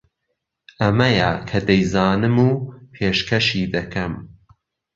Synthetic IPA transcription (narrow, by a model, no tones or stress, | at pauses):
ʔɐmɐjakʰɐd̪ɐjzaːnɨmuːpʰeːʃkʰɐʃiːd̪ɐkʰɐm